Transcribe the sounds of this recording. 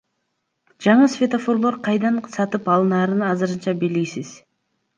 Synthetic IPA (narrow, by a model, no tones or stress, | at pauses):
d͡ʒɑɴɯsvʲet̪ofo̞ɾlˠoɾqʰɑjd̪ɑnsɑt̪ɯpɑlˠɯnɑːɾɯnɑzɯɾɯnt͡ʃɑbelɡʲisiz̥